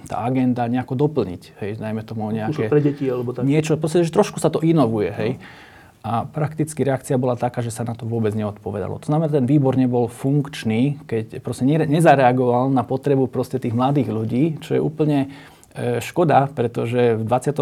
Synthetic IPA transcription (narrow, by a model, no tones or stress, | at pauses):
t̪a̰ːaɡɛnd̪aɲɛakɔd̪ɔpl̩ɲḭchɛjd̪ajmɛt̪ɔmuɲɛakɛpɛɟɛcialɛbɔɲɪɛt͡ʃɔpɾɔs̬cɛʒɛt̪ɾɔʃkusat̪ɔʔinɔʋujɛɦɛj | ʔapɾakt̪it͡skiɾɛak̚t͡siabɔlat̪akaːʒɛsanat̪ɔʋʊɔbɛd͡zɲɛɔt̪pɔʋɛd̪a̰lɔ̰t̪ɔznamɛnat̪ɛnʋiːbɔɾɲɛbɔlfuŋkt͡ʃniːkɛcpɾɔscɛɲɛɲɛzaɾɛaɡɔʋalnapɔt̪ɾɛbupɾɔscɛt̪iːɣmlad̪iːɣʎuɟiːt͡ʃɔjɛ̰ʔuːpl̩ɲɛ | ʃkɔd̪apɾɛt̪ɔʒɛvd̪ʋat͡sɪat̪ɔ